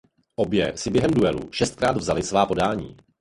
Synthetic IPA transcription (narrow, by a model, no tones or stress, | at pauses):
ʔo̞bjɛsɪbjɛɦɛmduɛlṵʃɛst̪̚kɾaːd̪vzalɪsvaːpo̞daːɲḭː